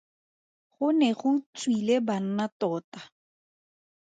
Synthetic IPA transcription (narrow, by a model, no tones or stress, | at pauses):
χʊnɛχʊt͡sʼwileban̩natɔːta